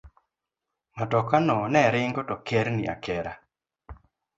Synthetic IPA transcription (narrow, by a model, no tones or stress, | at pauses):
natɔkanɔnɛɾɪŋɡɔtɔkɛɾniʔa̰kɛɾa